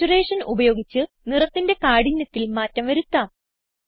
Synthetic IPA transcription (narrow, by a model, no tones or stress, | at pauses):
ureːʂɐnubɐjo̞ːɡit͡ɕːɨ | nirɐt̪ːinde̞kaːɽiɲːɐt̪ːilmaːtːɐmʋɐɾut̪ːaːm